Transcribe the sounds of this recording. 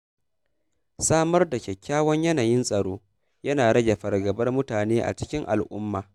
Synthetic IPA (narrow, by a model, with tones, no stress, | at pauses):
saː˦mɐ˦rda˨kʲɛ˨kʲːaː˦wɐ˦ɲjɐ˦naː˨jɪ˦nsʼɐ˨ɽoː˦ | jɐ˦naː˨ɽɐ˦ɡʲe˨ɸɐ˨rɡɐ˨bɐ˦rmʊ˦taː˨neː˦ʔa̰˨t͡ʃɪ̥˦kʲɪ˦ŋʔa̰˨lʔʊ˦mːaː˨